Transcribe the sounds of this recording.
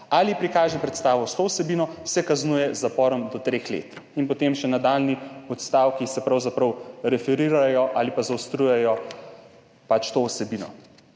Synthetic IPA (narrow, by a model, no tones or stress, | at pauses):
alipɾikaːʒɛpɾɛt̪st̪aːʋɔst̪oːwsɛbiːnɔsɛkaznujɛzapɔːɾɔmd̪ɔt̪ɾexlḛːt̪inpɔt̪emʃɛnad̪alniɔt̪st̪aːwkisɛpɾawzapɾɐwɾɛfɛɾiɾajɔʔalipazawst̪ɾujɛjɔ | pat͡ʃt̪owsɛbiːnɔ̰